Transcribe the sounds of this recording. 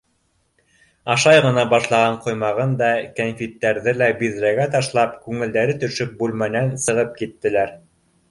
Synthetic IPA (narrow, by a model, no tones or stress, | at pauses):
ɑʃɑjʁɤ̆nɑbɑʃlˠɑʁɑɴqŏjmɑʁɤnd̪ɑkænfʲit̪ːæɾðɘlæbiðɾæɡæt̪ɑʃlˠɑpkʉŋɘ̆ld̪æɾɘt̪ɵ̆ʃɵk̚bʉlmænænsɤ̆ʁɤp̚kit̪ːɘ̆læɾ